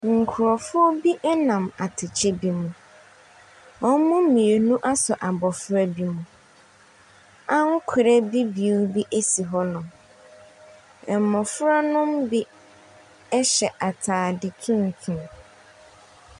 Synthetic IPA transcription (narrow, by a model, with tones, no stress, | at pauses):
ŋ̩˨kʰʊ˨ɾɔ˨fʊ˦ɔ˦bi˦ʔɛ˦nã˨ma˨tʰɪ˨t͡ɕʰɛ˦bi˦mũ˨ | ɔ˦mʊ̃˦mĩ˨e˨nũ˦ʔa˦sʊ˨ʔa˨bɔ˨fʊ˦ɾa˦bi˦mũ˨ | ã˦ŋ˦kʷʰʊ˨ɾɛ˦bi˦bi˨u˦bi˦ʔe˦si˨ɦɔ˦nʊ̃˨m | ɛ˨mɔ̃˨fʊ˦ɾa˦nʊ̃˦mbi˦ | ɛ˦ɕɛ˨ʔa˨tʰaː˨dɪ˨kʰɪ̃˦ŋ̩˨kʰɪ̃˨n